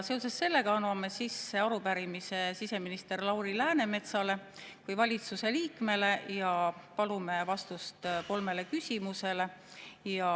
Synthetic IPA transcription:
se̞o̞sesse̞lːe̞ɡ̥ɑɑnwɑme̞sisːeɑɾupæɾimise̞sise̞minist̪e̞rlɑwɾilæːne̞me̞t̪sɑle̞kujvɑlʲit̪suse̞liːkme̞le̞jɑpɑlume̞vɑst̪ust̪ko̞lme̞le̞kysʲimuse̞le̞jɑ

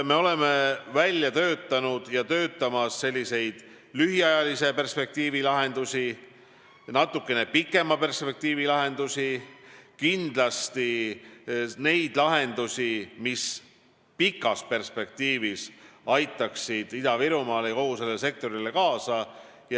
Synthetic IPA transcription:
me̞o̞le̞me̞vælʲjɑt̪ø̞ːt̪ˑːɑnud̪̥jɑt̪ø̞ːt̪ːˑɑmɑsːe̞lʲːise̞jd̪̥ | lyɦiɑjɑlise̞pe̞rspe̞k̚t̪iːvilɑɦe̞nd̪usʲi | nɑt̪ːˑukːe̞ne̞pikːˑe̞mɑpe̞rspe̞k̚t̪iːvilɑɦe̞nd̪usʲikind̪̥lɑst̪i | ne̞jd̪̥lɑɦe̞nd̪usʲimis | pikːˑɑspe̞rspe̞k̚t̪iːvisɑjt̪ːˑɑksid̪̥id̪ɑviɾumɑːleko̞huse̞lːese̞k̚t̪o̞ɾile̞kɑːsɑ | j

